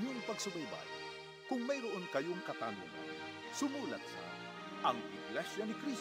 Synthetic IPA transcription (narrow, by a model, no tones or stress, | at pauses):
ɲʊŋpaɡsʊbajba̰j | kʊŋmajɾʊʔʊnkajʊŋkat̪anʊ̰ŋa̰ | sʊmula̰t̪ʃa̰ | ʔɐŋɪɡlɛʃjanɪkɾis